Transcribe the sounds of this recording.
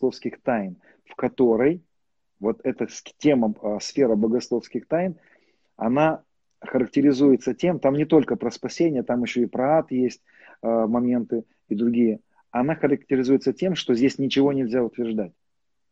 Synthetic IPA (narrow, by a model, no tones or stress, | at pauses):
lˠofskʲɪxt̪ajn | fkɐt̪o̞ɾəj | vo̞t̪ɛt̪əstʲe̞məsfʲe̞ɾəbəɡɐslˠo̞fskʲɪxt̪ajn | ɐna | xəɾək̚tʲɪɾʲɪzujɪt̪sətʲe̞mt̪amnʲɪt̪o̞lʲkəpɾəspɐsʲenʲɪjət̪amɪɕːo̞ɪpɾɐat̪jesʲtʲ | mɐmʲe̞nt̪ɨ | id̪ɾʊɡʲijə | ɐnaxəɾək̚tʲɪɾʲɪzujɪt̪sətʲe̞mʂt̪o̞zʲdʲesʲnʲɪt͡ɕɪvo̞nʲɪlʲzʲaʊt̪vʲɪrʐd̪atʲ